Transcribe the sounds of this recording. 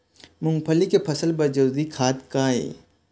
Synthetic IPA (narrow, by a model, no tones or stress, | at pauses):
mʊ̃ŋɡpʰəlikepʰɐsəlbɐɾd͡ʒɐd̪ikʰaːd̪kaːḛː